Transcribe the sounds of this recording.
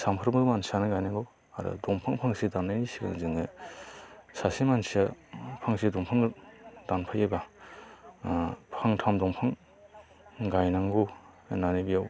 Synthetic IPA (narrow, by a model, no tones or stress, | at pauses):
sampʰɯɾmɾumansanɯɡajnaŋɡɔw | a̰ɾɔ̰dɔŋpʰaŋpʰaŋsidanːajnisiɡa̰nzɯŋɯ | sasimansiapʰaŋsidɔŋpʰaŋdanpʰajajba | pʰaŋtʰamdɔŋpʰaŋ | ɡajnaŋɡɔ | nanebijaw